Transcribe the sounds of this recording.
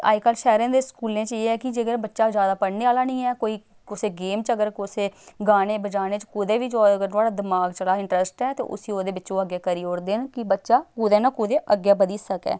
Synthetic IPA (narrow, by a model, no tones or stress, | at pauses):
a̰ːd͡ʒkaːlʃɛːɾãːd̪eːskuːlẽːt͡ʃeːɛːkɪd͡ʒeːɡəɾbətːʃaːd͡ʒjaːd̪aːpəɽneːaːlaːnĩːɛːkoːiː | ʊseːɡeːmt͡ʃəɡəɾkʊseːɡaːneːbəd͡ʒaːneːt͡ʃkʊːd̪eːʋiːt͡ʃɡəɾt̪ʊaːɽaːd̪ɪmaːɡt͡ʃəɽaːɪ̃ɳʈɾəsʈɛːt̪ḛːʔʊ̰siːoːd̪eːʋɪt͡ʃõːəɡjaːkəɾiːoːɽd̪eːnkɪbətːʃaːkʊːd̪eːnakʊd̪eːʔəɡjaːbəd̪iːsəkɛ̰ː